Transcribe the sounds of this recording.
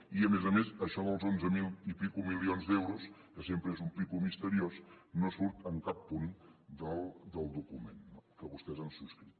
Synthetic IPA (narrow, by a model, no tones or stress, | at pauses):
iəmezəmesəʃɔðəlˠzonzəmilˠipikumilionzd̪ɛwɾuskəsempɾəezumpikumist̪əɾiosnosuɾt̪əŋkapːund̪əlˠd̪əlˠd̪ukumenkəβust̪ɛzənsuskɾit̪